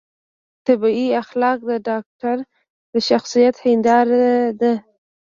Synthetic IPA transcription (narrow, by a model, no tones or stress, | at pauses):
t̪abiiaxlɑq̚d̪əɖɑk̚ʈaɾ | d̪əʃaxsijat̪hɪnd̪ɑɾd̪a